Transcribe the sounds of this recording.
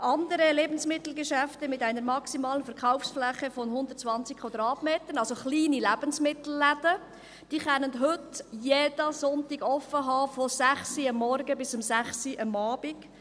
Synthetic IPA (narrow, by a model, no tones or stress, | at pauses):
ʔɑnd̪əɾəleːbən̩smɪt̪l̩ɡɛʃæftəmɪtæɪnəɾmɑksimɑːlənfəɾkaʊfsflæχəfɔnhʊnd̪ərtt͡svɑnt͡sikʰwad̪ɾɑːtmeːt̪ənɑlsoχliːnilæb̥ənsmɪt̪l̩ːædə | d̥iːχɛnːəntɦʏtjedəsɔntiɡɔfːəɦɑːfɔsæχsiɑmːɔrɡəbɪsʊmsæχsiʔɑmɑːb̥iɡ̥